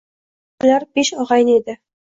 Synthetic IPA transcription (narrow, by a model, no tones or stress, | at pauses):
lʲɑɾpeʃɒʁɑjned̪ɘ̆